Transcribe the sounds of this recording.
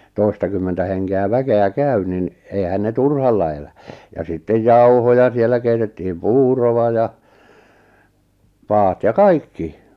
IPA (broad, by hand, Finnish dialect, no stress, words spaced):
toi̞stɑkymːentæ heŋkeæ ʋækeæ kæy nin eihæn ne turhɑlːɑ elæ jɑ sitːej jɑuhojɑ sielːæ keitetːihim puːroʋɑ jɑ pɑːt jɑ kɑikːi